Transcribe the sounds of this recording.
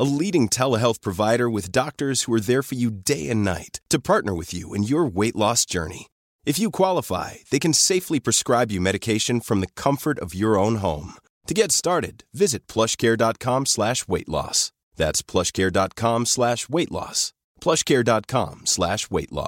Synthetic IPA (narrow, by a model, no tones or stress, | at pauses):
əliɾɪ̃ŋtʰɛlˠəɦɛlˠθpʰɹ̥ɨvaɪɾə˞wɨðdɑk̚tə˞z̥huə˞ðəɹfə˞jɨdeɪɨ̃nːa̰ɪtʰːɨpʰɑɹtⁿnə˞wɨðjʉ̰ɨ̰̃njə˞weɪʔˡlɔsd̥ʒ̥ɜ̰˞nḭ | ɨfjɨkʰw̥ɑlˠəfa̰ɪðeɪkɨ̃n̩seɪflipʰɹ̥ɨskɹaɪbjɨmɛɾɨkʰeɪʃɨ̃nfɹʌ̃mðɨkʰʌ̃ɱfə˞ɾʌvjə˞õʊ̃nɦõ̰ʊ̃m | tʰɨɡɛtstɑɹɾɨ̰dvɪzɨt̚pʰl̥ʌʃkʰɛɹdɑt̚kʰɑ̃mslæʃweɪʔˡlɔ̰s | ðætspʰl̥ʌʃkʰɛɹdɑt̚kʰɑ̃mslæʃweɪʔˡlɔ̰s | pʰl̥ʌʃkʰɛɹdɑt̚kʰɑ̰̃mslæʃweɪʔˡlɔ̰